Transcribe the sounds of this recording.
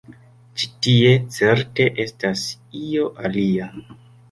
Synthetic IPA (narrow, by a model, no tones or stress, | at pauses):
t͡ʃi̥tie̞t͡se̞ɾte̞ʔe̞stas | io̞ʔalia